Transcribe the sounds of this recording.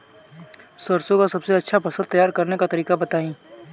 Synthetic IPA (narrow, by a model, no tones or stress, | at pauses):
sɐɾsõkasɐbseɐtːʃʰapɐsəlt̪ɐjaːɾkɐɾnekat̪ɐɾiːkabɐt̪aːĩː